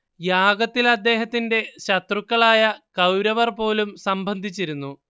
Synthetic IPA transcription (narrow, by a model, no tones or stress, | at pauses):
jaːɡɐt̪ːilɐd̪ːe̞ːɦɐt̪ːinde̞ɕɐt̪rukːɐɭaːjɐkɐwɾɐʋɐrpo̞ːlumsɐmbʱɐnd̪ʱit͡ɕːiɾunːu